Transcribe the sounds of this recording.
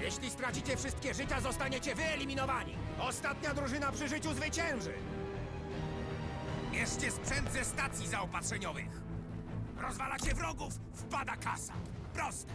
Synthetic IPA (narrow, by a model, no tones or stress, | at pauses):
jɛɕlʲist̪ɾat͡ɕit͡ɕɛfʂɘst̪̚kʲɛʐɘt͡ɕazɔst̪aɲet͡ɕɛvɘɛlʲimʲinɔvaɲḭ | ɔst̪at̪ɲad̪ɾuʐɘnapʂɘʐɘt͡ɕuzvɘt͡ɕɛ̃w̃ʐɘ̰ | jɛʂt͡ɕɛspʂɛnd̪zɛst̪at̪sʲjizaɔpatʂɛɲɔvɪ̰x | ɾɔzvalat͡ɕɛvɾɔɡufːpad̪aka̰sa̰ | pɾɔst̪ɛ